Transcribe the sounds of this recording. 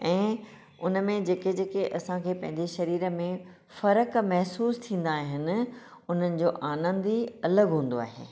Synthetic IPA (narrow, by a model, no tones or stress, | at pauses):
ɛ̃ː | ʊnə̆mẽd͡ʑeːked͡ʑeːkeʔɐsãkʰeːpɐ̃ɦɪ̃ɲd͡ʑeʃɐɾiːɾə̆mẽ | fɐɾəkmɛɦsuːst̪ʰĩːnd̪aːɦɪnɪ̆ʊn̤ənɪ̆d͡ʑoːʔaːnə̃nd̪iɐləɡɦũːn̆d̪oa̰ːɦḛː